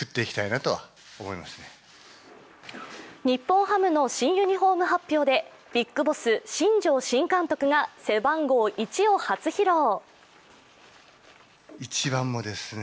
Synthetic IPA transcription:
ɯ̟t̪ːe̞ikʲi̥t̪ainat̪o̞βa̰ | omo̞imasɨ̥ne | ɲ̟ipːõɰ̃ɦamɯ̟no̞ɕĩɰ̃jɯ̟ɲ̟iɦo̞ːmɯ̟ɦapʲːjo̞ːd̪e̞ | b̥ʲikːɯ̟bo̞sɨɕĩɲ̟d͡ʑo̞ːɕĩŋkãnt̪o̞kɯ̟ŋase̞bãŋɡo̞ːʔit͡ɕio̞hat͡sɨçiɾo̞ː | it͡ɕibãmːo̞d̪e̞sɨn

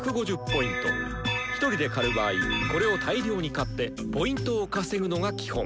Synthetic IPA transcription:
akɯ̟ɡo̞ʑɨpːo̞ĩnt̪o̞̰ | çi̥t̪o̞ɾʲid̪e̞kaɾɯ̟baːiko̞ɾe̞o̞t̪ʰaiɾʲjo̞ːɲ̟ikat̪ːe̞ | po̞ĩnt̪o̞ːɯkase̞ɡɯ̟no̞ɡakʲi̥hõ̞̰

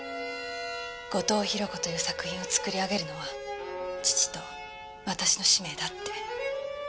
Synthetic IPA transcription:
ɡ̥o̞t̪o̞ːçiɾo̞kot̪o̞jɯ̟ːsakɯ̟̥çĩo̞t͡sɨ̥kɯ̟ɾʲiaɡe̞ɾɯ̟no̞βa | t͡ɕi̥t͡ɕi̥t̪o̞ | βat̪aɕino̞ɕime̞ːd̪at̪ːe̞

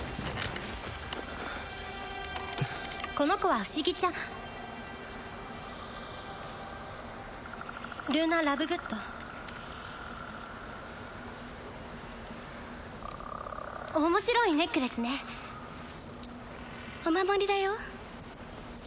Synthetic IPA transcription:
ko̞no̞ko̞βaɸɯ̟̥ɕiɡʲit͡ɕã | ɾɯ̟ːnaɾabɯ̟ɡɯ̟t̪ːo | omo̞ɕiɾo̞ine̞kːɯ̟d̪e̞sɨne̞ | omamoɾʲid̪ajo

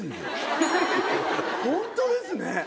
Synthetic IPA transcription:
ɨnee | hõnt̪oːd̪esɨnḛ

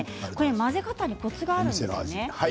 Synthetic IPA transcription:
koɾemaze̞kat̪aɲ̟iko̞t͡sɨɡaːɾɯne

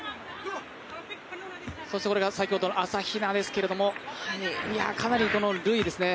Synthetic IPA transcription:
soɕit̪e̞koɾe̞ɡasaikʲo̞ːd̪onoasaçinad̪e̞sɨ̥ke̞ɾe̞d̪o̞mo̞ | ija̰kʰanaɾʲiko̞no̞ɾɯ̟id̪e̞sɨne̞

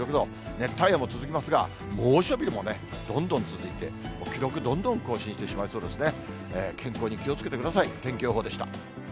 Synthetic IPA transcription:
ɾokɯt̪o | ne̞t̪ːaiomot͡sɨzɨkʲimasɨɡa̰ | moːɕo̞bʲiɾimo̞ne̞ | d̪̥õ̞nd̪õ̞nt͡sɨzɨit̪e̞ɡokʲiɾo̞kɯ̟d̪õ̞nd̪õŋko̞ːɕĩɕit̪e̞ɕimaiso̞ːd̪e̞sɨne | ekʰẽ̞ŋko̞ːɲ̟ikʲio̞t͡sɨ̥ke̞t̪ekɯ̟d̪asait̪ẽ̞ŋkʲo̞ːɦoːd̪e̞ɕi̥t̪a̰

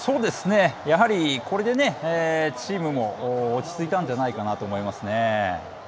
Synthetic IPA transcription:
so̞ːd̪e̞sɨne̞jaɦaɾʲiko̞ɾe̞d̪e̞ne̞eːt͡ɕiːmɯ̟mo̞ːt͡ɕi̥t͡sɨit̪ãɲ̟d͡ʑanaikanat̪o̞ːmo̞imasɨne̞

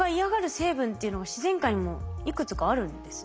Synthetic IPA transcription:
aiaɡaɾɯ̟se̞ːbɯ̟̃nt̪e̞iɯ̟no̞ɡaɕizẽ̞ŋkaɲ̟imo̞ikɯ̟t͡sɨ̥kaːɾɯ̟̃nd̪e̞s

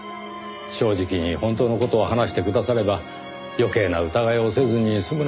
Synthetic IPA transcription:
ɕo̞ːʑikʲiɲ̟ihõ̞nt̪̬o̞ːno̞ko̞t̪o̞ahanaɕi̥t̪e̞kɯ̟d̪asaɾe̞ba | jo̞ke̞ːnaɯ̟t̪aɡaio̞se̞zɨɲ̟isɨɡɯ̟

